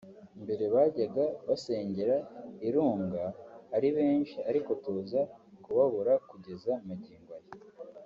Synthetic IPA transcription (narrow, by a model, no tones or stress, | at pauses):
mbe̞ɾe̞βaːɟaɡaβase̞ːɲɟe̞ɾaiɾuːŋɡaːɾiβe̞ːnʃiaɾiko̞tuːzakuβaβuɾakuɟe̞zamaɟiːŋɡwaje